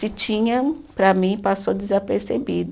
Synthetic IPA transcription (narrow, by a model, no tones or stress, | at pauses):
ɪt͡ʃĩɲɐ̃ | pɾɐmĩpasod͡ʒɪzapeɾsebid̪